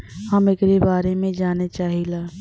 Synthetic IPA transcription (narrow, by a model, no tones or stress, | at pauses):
hɐmɪkɾebaːɾemẽd͡ʒaːnet͡ʃaːɦilaː